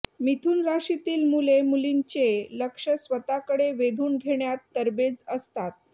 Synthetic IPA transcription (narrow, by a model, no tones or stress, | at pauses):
mit̪ʰuːnɾaʂit̪iːlmulemulint͡ɕeləkʂəsʋət̪akəɽeʋed̪ʱuːnɡʱeɳjat̪ːəɾbed͡zəst̪at̪̚